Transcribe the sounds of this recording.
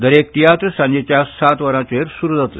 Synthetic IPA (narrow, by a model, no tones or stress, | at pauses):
d̪əɾek̚t̪ijat̪ɾəsãɲd͡ʑet͡ɕjasat̪ʋəɾãt͡ɕeɾsuɾud̪ət̪l